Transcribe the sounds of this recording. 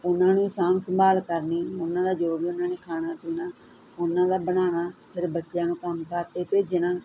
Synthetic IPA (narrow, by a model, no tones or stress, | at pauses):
ʊnːãːnũːɪsaːmsəmbaːlkəɾniːʊnːãːd̪aːd͡ʒoːbiːʊnãːneːkʰaːnaːpiːnaː | ʊnːãːd̪aːbəñaːnaːpʰɪɾbətːʃɪjãːnũːkəmkaːt̪eːpeːd͡ʒnaː